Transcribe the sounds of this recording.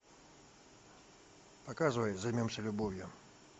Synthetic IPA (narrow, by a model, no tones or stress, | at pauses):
pɐkazɨvəjzajmʲomsʲəlʲʊbovʲjʊ